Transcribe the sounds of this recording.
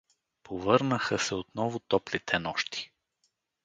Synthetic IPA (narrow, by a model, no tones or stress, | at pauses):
pʰovɤɾnəxəsɛot̪nɔvʊt̪ɔplit̪ʰɛnɔʃt̪i̥